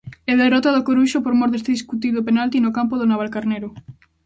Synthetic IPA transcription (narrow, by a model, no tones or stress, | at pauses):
ɛðerɔt̪aðokoɾuʃopoɾmɔɾðest̪eðiskut̪iðopenalt̪inokampoðonaβ̞alkaɾneɾo